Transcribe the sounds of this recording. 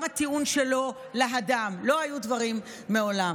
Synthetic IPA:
mhat̪iunʃelo̞ | laɦad̪amlo̞ɦajud̪vaʁimː | eo̞lam

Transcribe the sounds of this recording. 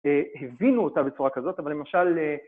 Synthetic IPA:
ehevinuotabet͡suʁakazo̞t̪avalemaʃale

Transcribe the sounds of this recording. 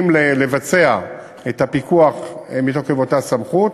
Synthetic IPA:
mlele̞vat͡se̞a | ethapikuaχmit̪oχevotasamχut

